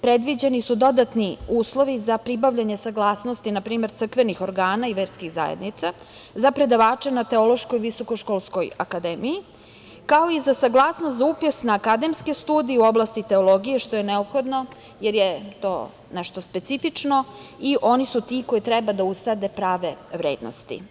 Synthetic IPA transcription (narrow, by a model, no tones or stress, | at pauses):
pɾed̪ʋid͡ʑenisud̪o̞d̪at̪niuːslˠo̞ʋizapɾibaʋʎaɲe̞saɡlˠaːsnost̪inapɾiːme̞ɾt̪sɾr̩kʋenixo̞ɾɡaːnaiʋeːɾskiɣza̰jḛd̪nit̪sa | zapɾe̞d̪aʋaːt͡ʃenat̪e̞o̞lˠo̞ʃko̞jʋiso̞ko̞ʃkolˠsko̞ja̰kad̪eːmiji | kao̞izasaɡlˠaːsnost̪zaupjosnaːkad̪e̞mskest̪uːd̪ijeuo̞blˠast̪it̪e̞o̞lˠo̞ɡijeʃt̪o̞jeneopxo̞d̪no̞ | jeɾjet̪o̞̰ː | nɛʃt̪o̞spe̞t̪sifit͡ʂno̞iʔo̞nisut̪iko̞jit̪ɾɛbad̪aust̪ad̪e̞pɾaːʋe̞ʋɾeːd̪no̰st̪ḭ